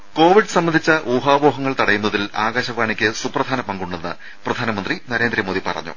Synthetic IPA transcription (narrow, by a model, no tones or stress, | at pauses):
ko̞ːʋiɖɨsɐmbɐnd̪ʱit͡ɕːɐʔuːɦaːboːɦɐŋːɐɭt̪ɐɽɐjunːɐðilaːɡaːɕɐʋaːɳikʲːɨsuprɐd̪ʱaːnɐpɐŋɡuɳːɖenːɨ̰ | prɐd̪ʱaːnɐmɐnd̪rinɐɾe̞ːnd̪ɾɐmoːðipɐ̰rɐ̰ɲːṵ